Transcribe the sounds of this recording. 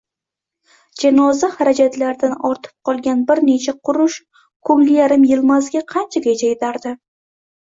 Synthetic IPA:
d͡ʒanɒzahaɾad͡ʒat̪laɾd̪anɒɾt̪ʰɪ̥p̚qʰɒlˠɡʲanbɪɾne̞t͡ʃʰaqʰʊɾʊʃ | kʰɵŋlɪjaɾɪmjɪlˠmazɡʲaqʰɑnt͡ʃʰaɡʲed͡ʒajt̪ʰaɾd̪ɪ

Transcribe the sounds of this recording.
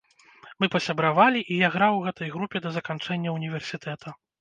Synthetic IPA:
mɨpɐsʲɐbɾavalʲiʔijaɣɾawɣɛt̪ɐjɣɾupʲɛd̪ɐzɐkant͡ʂɛnʲːɐunʲivʲɛrsʲit̪ʰɛt̪ʰɐ

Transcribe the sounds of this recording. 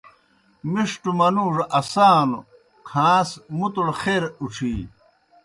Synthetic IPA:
miʂʈumɐnuːʐɐʔɐsaːnṵ | kʰãːsmut̪uɽxeːɾuʈ͡ʂʰiː

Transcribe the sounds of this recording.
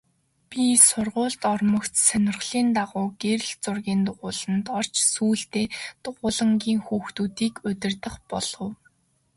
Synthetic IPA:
pʲisʊrʁʊːɮt̪ɔrmɞ̆kt̪sœnʲɪ̆rʁɮ̥iːnt̪aʁʊːɡeɾ̆ɮt͡sʊrɣʲiːnt̪ʊʁʊːɮə̆nt̪ɔr̥t͡ɕsuːɬt̪eːt̪ʊʁʊːɮə̆ŋɡʲiːŋxuːxt̪uːt̪iːkʊt̪ʲɪ̆rt̪ə̆χpɔɮ̥ɞ̆w

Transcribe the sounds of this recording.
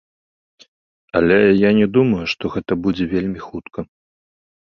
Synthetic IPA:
ɐlʲɛjanʲɛd̪umɐjuʂt̪ɔɣɛt̪ɐbud͡zʲɛvʲelʲmʲixut̪kʰɐ

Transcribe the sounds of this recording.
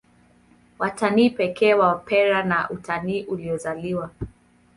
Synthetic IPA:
wataniːpɛkɛːwapʰɛɾanaʔutaniːʔuliɔzaliwa

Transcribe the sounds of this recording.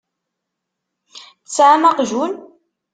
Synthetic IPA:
θt͡sːʕamaqʒun

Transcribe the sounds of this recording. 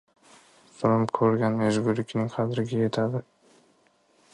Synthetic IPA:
sɪlɪmkʲʰɵɾɡʲaneʒɡʊɾɪkʰʲnɪŋqʰɑd̪ɾɪɡʲaje̞t̪ʰad̪ɪ

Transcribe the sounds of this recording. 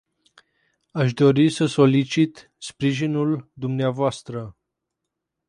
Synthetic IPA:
aʃ̬d̪o̞ɾisəso̞lit͡ʃit̪ | spɾiʒinuld̪umneavoast̪ɾə

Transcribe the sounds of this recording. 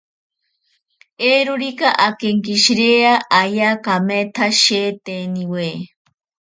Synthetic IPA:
eɾuɾikaʔakeŋkiʃɾeaʔajakamet̪ʰaʃeːt̪eniwe

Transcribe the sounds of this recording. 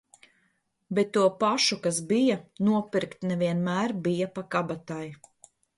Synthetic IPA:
bɛt̪ːuɔpaʃukasbijɐnuɔpiɾkt̪nɛviɛnmæːɾbijapakabat̪aj

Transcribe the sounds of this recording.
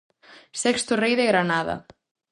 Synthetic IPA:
sɛkst̪ʊrejðɪɣɾanaːða̰

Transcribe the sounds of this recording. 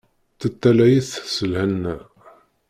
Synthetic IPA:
θət̪ːælæjiθsəlhənːæ

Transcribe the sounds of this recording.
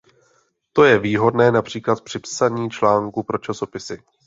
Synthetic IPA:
t̪o̞jɛviːɦo̞dnɛːnapr̥iːklat̪̚pr̝̥ɪpsaɲiːt͡ʃlaːŋkupɾo̞t͡ʃaso̞pɪsɪ

